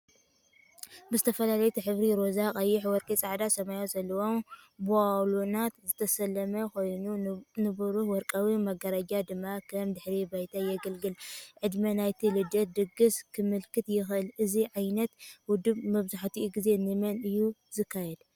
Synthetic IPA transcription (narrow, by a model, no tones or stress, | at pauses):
bɨzɨt̪ʰɐfɐlalɐjut̪ʰiħɨβɾiɾo̞zakʼɐjːɪħwɔɾkʼit͡sʼaʕd̪asɐmajozɐlːɐwo̞mbuawlunat̪zɨt̪ʰɐsɐlːɐmɐkojnunɨbuɾuħwɔɾkʼawimɐɡɐɾɐd͡ʒad̪ɨmːakʰɐmd̪ɨħɾibajt̪ʰajɛɡɐlɡɨlʕɨd̪mɐnajt̪ʰilɨd̪ɐd̪ɨɡɨskʰɨmɨlkʰɨt̪jɪxʔɨlɨziʕajnɐt̪wʊd̪ɨbmɐβzaħt̪ʰiʔɡize̞nɨmɐnɨjːuzɨkʰːajɛd̪